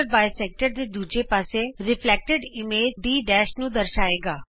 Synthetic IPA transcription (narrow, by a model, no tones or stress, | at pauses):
ɾbaːjsɛːk̚ʈəɾd̪eːd̪uːd͡ʒeːpaːseːɾɪpʰlɛːk̚ʈəɖɪmeːd͡ʒɖiːɖɛːʃnũːd̪əɾʃaːeːɡaː